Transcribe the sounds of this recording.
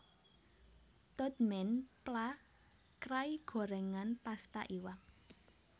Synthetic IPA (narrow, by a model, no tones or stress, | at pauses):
t̪ɔt̪mɛnpla | kɾaiɡ̥ɔ̤ɾɛŋanpast̪a̰ʔiwak̚